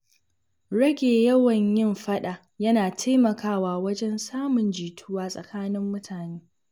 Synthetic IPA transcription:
ɽɐ˦ɡʲeː˨jɐ˦wɐ˨ɲjɪ˦mɸɐ˦ɗa˨ | jɐ˦naː˨tʰa˦mɐ˨kʰaː˦waː˨wɐ˦d͡ʒɛ˦nsaː˦mʊ˨nd͡ʒiː˨tʰʊ˦waː˦sʼɐ̰˨kaː˦nɪ˦mːʊ˦tʰaː˨neː˦

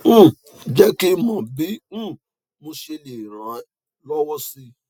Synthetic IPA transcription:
d͡ʒɛ˦kɪ˦mɔ̃˨bɪ̃˦˨ | mʊ̃˦ʃe˦le˨ɾã˨˦ | lɔ˦wɔ˦si˦

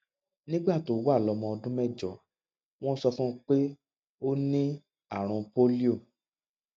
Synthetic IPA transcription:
nĩ˦ɡ͡ba˦˨to˨˦wa˦˨lɔ˧mɔ̃˧ɔ˧dũ˦mɛ˦˨d͡ʒɔ˨˦ | w̃ɔ̃˦sɔ˧fũ˦k͡pe˦ | o˦nĩ˦ | a˦˨ɾ̃ũ˨po˦li˦o˦˨

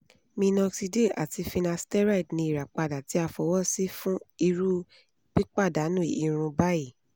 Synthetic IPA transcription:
mĩ˧nɔ̃˧ksi˧de˦˨ʔa˨ti˧fi˧nã˧stɛ˦ɾa˦˨i˨dnĩ˧i˨ɾa˨k͡pa˧da˨ti˨˦a˧fɔ˧wɔ˦si˦fũ˦i˧ɾu˦ | k͡pi˦k͡pa˦˨da˨˦nũ˦˨i˨ɾ̃ũ˧ba˦i˦˨

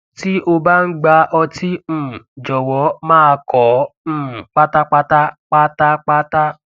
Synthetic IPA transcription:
ti˦ʔo˧ba˦n̩˦ɡ͡ba˧ʔɔ˧ti˦˨d͡ʒɔ˨wɔ˨˦mãː˦a˧kʰɔ̃˨˦˨ | k͡pa˦ta˦tk͡pa˦ta˦k͡pa˦ta˦k͡pa˦ta˦

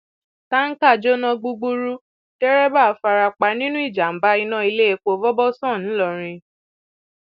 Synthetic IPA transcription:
ta˦n̩˦ka˦˨d͡ʒo˦nã˧ɡ͡bu˧ɡ͡bu˦ɾu˦ | tɛ˦ɾɛ˦ba˦˨˦fa˧ɾa˧k͡pa˧nĩ˦nũ˦i˦˨d͡ʒa˨m̩˨˦ba˦i˧nã˦i˧le˦e˧˦k͡po˧vɔ˦bɔ˦sɔ̃˦˨ñ̩˨˦lɔ˦˨ɾ̃ĩ˧

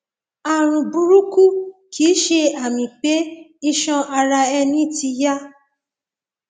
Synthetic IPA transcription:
a˧ɾ̃ũ˨bu˨˦ɾu˦ku˦kʰi˨˦ʃe˧a˨mĩ˨k͡pe˨˦i˧ʃɔ̃˧a˧ɾa˧ɛ˧nĩ˦ti˧ja˦

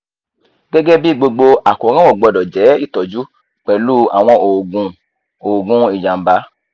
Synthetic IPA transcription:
ɡ̥ɛ˦ɡɛ˦bi˦˨ɡ͡bo˧ɡ͡bo˧a˨ko˨˦ɾ̃ã˦wɔ˦˨ɡ͡bɔ˧˨dɔ˨d͡ʒɛ˨˦i˦˨tɔ˨d͡ʒu˨˦ | k͡pɛ˨lu˦a̰˨w̃ɔ̃˧o˨ɡũ˨˧ | o˨ɡũ˧˦i˦˨d͡ʒã˨m̩˨ba˨˦

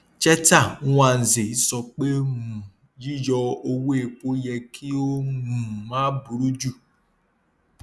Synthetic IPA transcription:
t͡ʃɛ˦ta˦˨˦wʷa˨n̩˨ze˨i˦sɔ˧k͡pe˦mu˨ | d͡ʒi˦d͡ʒɔ˧o˦we˦˨k͡po˦jɛ˧kʰi˦o˦mu˨ma˦bu˨ɾu˦d͡ʒu˦˨

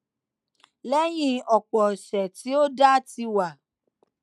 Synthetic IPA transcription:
lɛ˦j̃ĩ˧ɔ˨k͡pɔ˨ʃɛ˨ti˨˦o˦da˦ti˧wa˨

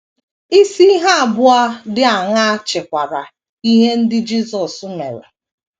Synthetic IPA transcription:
i˦si˦i˦ɦa˦a˨bʊ˦a˦dɪ˦a˨ŋa˦a˦t͡ʃɪ˨kʷa˨ɾa˨ | i˦ɦe˦n̩˦dɪ˦d͡ʒi˦sɔ˨sʊ˦me˨ɾḛ˨

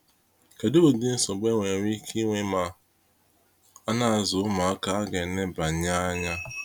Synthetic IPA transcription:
ke˨do˦o˨dɪ˦n̩˦sɔ˨ɡ͡be˦ŋʷe˨ɾʷi˦kʰi˦ŋʷe˦ma˨ | a˦na˨a˨zʊ˨ʊ˦ma˨a˦ka˨a˦ɡe˨ne˦ba˨ɲa˦a˦ɲa˦

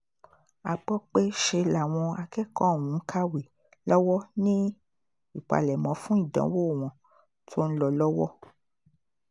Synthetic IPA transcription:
a˨ɡ͡bɔ˦k͡pe˦ʃe˧la˨w̃ɔ̃˧a˧kɛ˦kɔ̃˦˨wũ˨˦ŋ̩˦kʰa˦we˨ | lɔ˦wɔ˦nĩ˦ | i˦˨k͡pa̰˨lɛ˨mɔ̃˨˦fũ˦i˦˨dã̰˨˦wo˦˨w̃ɔ̃˨˦ | tʰo˦n̩˦lɔ˧lɔ˦wɔ˦

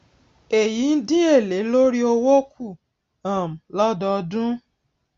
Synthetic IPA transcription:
e˨ji˨˦n̩˦dĩ˦e˦˨le˨˦lo˦ɾi˦o˧wo˦kʰu˦˨ | ã˨m̩˨lɔ˦dɔ˧dũ˦

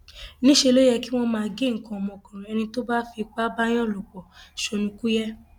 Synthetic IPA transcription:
nĩ˦ʃe˧lo˦jɛ˧ki˦w̃ɔ̃˧mãː˧ɡe˦˨ŋ̩˨˦kɔ̃˧˨mɔ̃˧˨kɔ̃˨ɾ̃ɔ̃˨ɛ˧nĩ˧to˦ba˦fi˧k͡pa˦ba˦j̃ɔ̃˦˨lu˨k͡pɔ˨ʃo˧nũ˧ku˦jɛ˦

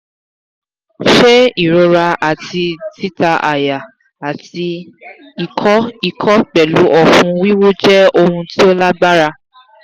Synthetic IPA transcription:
ʃɛ˦i˦˨ɾo˧ɾa˧a˨ti˧ti˦ta˧ʔa˨ja˨ | a˨ti˧ | i˨kʰɔ˦i˨kʰɔ˦k͡pɛ˨lu˨˦ʔɔ˧fũ˧wi˦wo˦d͡ʒɛ˦o˧hũ˧ti˦o˦la˦ɡ͡ba˦ɾa˧

